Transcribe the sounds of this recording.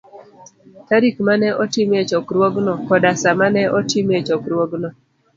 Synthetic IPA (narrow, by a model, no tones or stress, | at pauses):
taɾikmanɛʔɔtimet͡ʃɔkɾwoɡnɔkɔdasamanɛʔɔtimet͡ʃɔkɾwoɡnɔ